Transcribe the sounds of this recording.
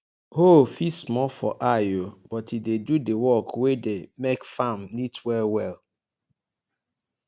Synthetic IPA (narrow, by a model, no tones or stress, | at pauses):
ɦofismɔlfɔ̰ʔajob̥ɔtidedudewɔkwedemekfãmnitwɛlwɛl